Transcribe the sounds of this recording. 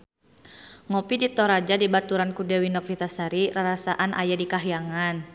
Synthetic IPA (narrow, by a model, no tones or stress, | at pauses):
ŋɔpidit̪ɔɾad͡ʒadibat̪uɾankudɛwinɔpfit̪asaɾiraɾasaʔanʔa̰jadikaɦijaŋan